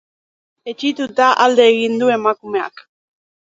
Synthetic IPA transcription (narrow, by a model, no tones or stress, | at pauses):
e̞t͡ʃit̪ut̪aʔald̪e̞ːɣind̪ue̞makume̞a̰k